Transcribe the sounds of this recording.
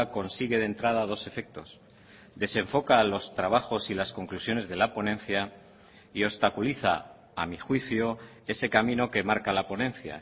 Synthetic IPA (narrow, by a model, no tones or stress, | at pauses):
ko̞nsiɣe̞ðe̞nt̪ɾað̞að̞o̞se̞fe̞k̚t̪o̞̰s | d̪e̞se̞ɱfo̞kalo̞st̪ɾaβaxo̞silasko̞ŋklusjo̞ne̞zðe̞lapo̞nẽ̞nθja | io̞st̪akuliθa̰ | amixwiθjo | e̞se̞kamĩno̞ke̞maɾkalapo̞nẽ̞nθja̰